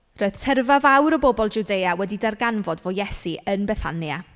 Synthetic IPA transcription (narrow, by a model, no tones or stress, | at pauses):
roɨð̥tʰɛrvavawɾəbɔbɔlˠd͡ʒudejawɛdidarɡanvɔdvojɛsiənbɛθa̰nja